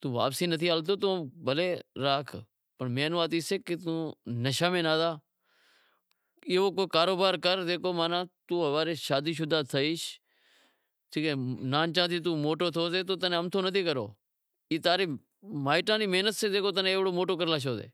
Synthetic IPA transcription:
t̪ũːʋa̰ːpsĩːnət̪ʰiːaːlt̪̬oːt̪õːbəleːɾaːkʰ | pəɳmẽːnːaːt̪iːseːket̪ũːnəʃaːmẽːnaːd̪aː | ɪːoːkoːkaːɾoːbaːɾkəɾd̪eːkʰoːmaːnãːt̪uːɦəʋaːɾeːʃaːd̪iːʃ̬ʊd̪aːt̪ʰəiːʃ | t̪ʰiːkeːnaːnt͡ʃãːt̪iːt̪̬uːmoːʈoːt̪ʰoːseːt̪oːt̪ənẽəmt̪ʰoːnət̪ʰiːkəɾo̰ː | iːt̪aːɾeː | maːɪʈãːniːmeːnət̪sẽːd̪eːkʰoːt̪̬ənẽːʋɽoːmoːʈoːkəɾlaːʃ̬oːzḛː

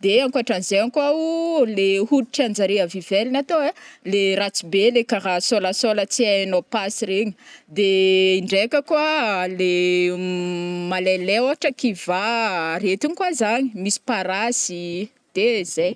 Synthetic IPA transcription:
d̪eaŋkaʈ͡ʂanzeŋkaulehuluʈ͡ʂiand͡ʒaɾiəvivelinat̪oalerat͡sibelekaɾasolasolət͡siaanopasireɲid̪eiɳɖ͡ʐekəkwale | malelewaʈ͡ʂəkivaɾet̪inikwazaɲimisi̥paɾazi | d̪̥ezej

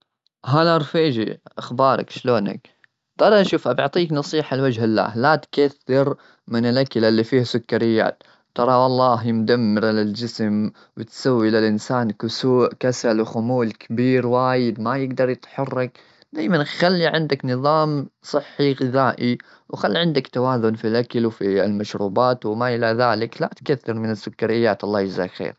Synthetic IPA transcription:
ɦaːlʔɑɾˤfiːd͡ʒḭʔaxbɑːɾˤɑ̰kʃloːna̰k | t̪ɑɾˤɑʃuːfʔɑbɪʕt̪ˤiːknɑsˤiːħalwad͡ʒhɪlːa̰ːhlat̪kaθːɪɾ | mɪnɪlʔaklalːifiːhasʊkːɑɾɪjːa̰ːt̪ | t̪ɑɾˤɑwɑlˤːɑːɦjɪmd̪amːɪɾalɪld͡ʒɪsm | wɪt̪sawːilɪlʔɪnsaːnkusuːʔkasalwxʊmuːlkʰabiːɾwaːjɪd̪majɪɡd̪ɑɾˤjɪt̪ħɑrˤːɪk | d̪aːjmanxalːiʕɪnd̪aknɨðˤɑːmsˤɨħːiɣɪðaːʔi | wxalːiʕɪnd̪akt̪awaːðʊnfilʔakalwfiɪlmaʃɾuːbaːt̪wɪmaʔɪlaðaːlɪklaʔt̪kaθːɪɾmɪnɪsːʊkːaɾɪjːaːt̪ʔɑlˤːɑːhjɪza̰xḛːɾ

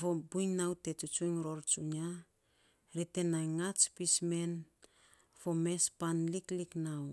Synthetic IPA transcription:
fobujŋnawte̞t͡ʃut͡ʃujŋɾo̞ɾt͡ʃuɲa | ɾite̞najŋat͡ʃpisme̞n | fo̞me̞spanlikliknaw

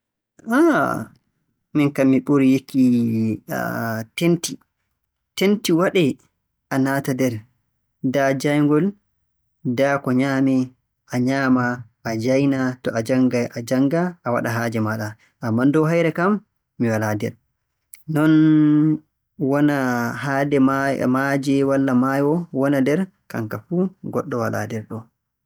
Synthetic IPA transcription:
a | minkamːiɓuɾijekːḭ | tenti | tentiwaɗɛ | ʔanaːtadɛɾ | dad͡ʒajŋɡɔl | dakɔɲaːmɛ | ʔaɲaːmaʔːd͡ʒajnatɔʔad͡ʒaŋɡajʔad͡ʒaŋɡaʔawa̰ɗaɦad͡ʒɛmaɗa | ʔamːandɔɦajɾɛkamː | iwaladɛ̰ɾ | nɔn | wɔnahadɛma̰mad͡ʒɛwalːamajɔwɔnadɛɾ | ka̰ŋkafuɡɔɗːɔwala̰dɛɾɗɔ

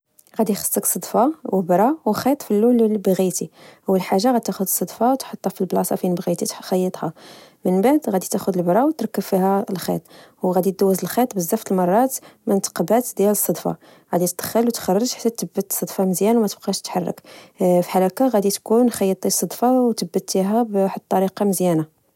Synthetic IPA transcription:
ɣæd̪ixə̥sˤːəksˤɑd̪ˤfɑwəbɾˤɑwxit̪ˤfilːullbɣit̪ihʊwːəlħaʒːaɣæd̪̚t̪æxʊd̪əsˤːɑd̪ˤfɑwt̪ħət̪ˤːɑfilblɑsˤɑfinbɣit̪it̪xɑjːət̪ˤhɑmənbaʕd̪ɣæd̪it̪æxʊd̪əlbɾˤɑwt̪ɾˤɑkːəbfiɦælxḭt̪ˤwɣæd̪it̪̚d̪æwːəzəlxit̪ˤbəzːæft̪əlmɑrˤːɑt̪mænt̪qɑbæt̪d̪jæləsˤːɑd̪ˤfɑ̰ | ɣæd̪it̪əd̪̥xəlwt̪xɑrˤːəʒħḁt̪ːæt̪ːəbːət̪ːsˤəd̪fɑməzjænwmæt̪əb̥̚qɑʃt̪ħɑrˤːə̰kfi̥ħaɾˤɑkaɣæd̪it̪kunxɑjːət̪ˤːisˤɑd̪ˤfɑwt̪əbːət̪ːiɦæbħət̪ˤːɑɾiqɑməzjæna

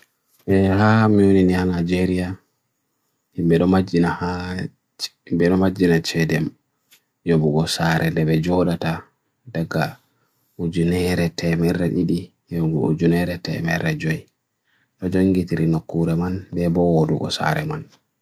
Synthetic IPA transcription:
ʔɛhamiwoninihanad͡ʒeɾija | himbɛɗɔmad͡ʒinaha | imbɛɗɔmad͡ʒːinat͡ʃɛdɛm | jobuɡɔsaɾʔɛdɛɓɛd͡ʒɔɗata | daɡa̰ | ud͡ʒunɛɾɛtɛmɛɾːɛɗiɗi | jɔɡɔ̰ṵd͡ʒunɛɾɛtɛ̰mɛɾɛd͡ʒɔj | ɗɔd͡ʒoŋɡitiɾinokːuɾɛmanbɛbɔwodṵɡɔ̰sa̰ɾɛman

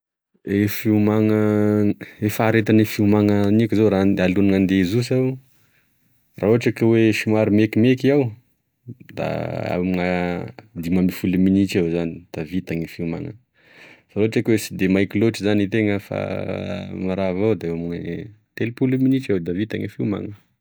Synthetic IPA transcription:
efiumaŋə | efaɾet̪anifiumaŋənikizoɾaalunŋand̪ezus̬aw | raoaʈ͡ʂakəweʃimaɾumekimekiaw | d̪a̰a̰muŋəd̪imamifuluminit͡ʃawzanid̪̥avit̪aŋifiuma̰ŋə̰ | faloaʈ͡ʂakwesid̪emajkiloʈ͡ʂizanit̪eŋəfa̰ | maɾavawd̪eamuŋət̪elipuluminit͡ʃawd̪avit̪a̰ŋifiuma̰ŋə

